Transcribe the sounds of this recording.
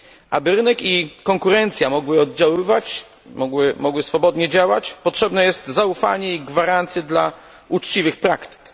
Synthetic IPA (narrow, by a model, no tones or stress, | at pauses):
ʔa̰bɘɾɘnɛkikɔŋkuɾɛnt̪sʲjamɔɡwɘɔd̪d͡ʑawɘvat͡ɕ | mɔwɘmɔɡwɘsfɔbɔd̪ɲɛd͡ʑawat͡ɕpɔtʂɛbnɛjɛst̪zaufa̰ɲɛiɡvaɾant̪sjɛd̪la | ut͡ʂt͡ɕivɘxpɾa̰kt̪ɘ̥k